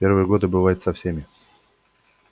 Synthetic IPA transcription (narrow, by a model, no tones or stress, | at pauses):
ervɨjəɡo̞d̪ɨbɨvajɪt̪sɐfsʲemʲɪ